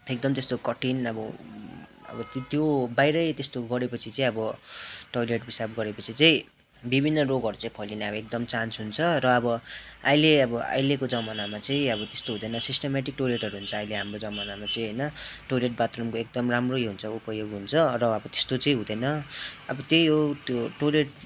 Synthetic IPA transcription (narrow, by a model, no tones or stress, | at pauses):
ek̚d̪ʌmt̪est̪okʌʈinʌbʌ | ʌ̰bʌt̪t̪jobajɾʌjt̪est̪oɡʌɾepʌt͡sʰit͡sʌĩʌbʌʈojleʈbisab̚ɡʌɾepʌt͡sʰit͡sʌĩ | bibʱinːʌroɡʌɾut͡saĩpʰʌjlinaʌbʌek̚d̪ʌmt͡sansɦunt͡sʰʌɾʌːbʌajleʌbʌa̰jlekod͡zʌmʌnamat͡saĩʌbʌt̪est̪oɦũd̪ʌjnʌsisʈʌmaʈik̚ʈoleʈɦʌɾuɦunt͡sʰʌːjleɦamrod͡zʌmʌnamat͡sʌ̃ĩɦʌjnʌʈoleʈ̚bat̪rʌmkoek̚d̪ʌmramrojɦunt͡sʰʌupʌjoɡɦunt͡sʰʌrʌːbʌt̪e̥st̪ot͡sʌĩɦud̪ʌjnʌʌbʌt̪jʌjjooʈoleʈ